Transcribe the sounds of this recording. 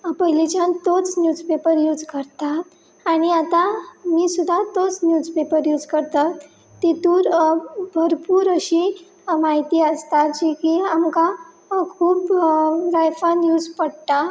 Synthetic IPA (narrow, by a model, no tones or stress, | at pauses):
pəɦilet͡ɕãnt̪ot͡snjud͡zpepəɾjud͡zkəɾt̪aː | ɽ̃iat̪amiːsud̪ʱat̪ot͡snjuːd͡zpepəɾjud͡zkəɾt̪at̪ː | et̪uːɾbʱəɾpuːɾəɕi | maɦit̪iːəst̪at̪d͡ʑikiamka | kʰuːpɾajfanjud͡zpəɽt̪a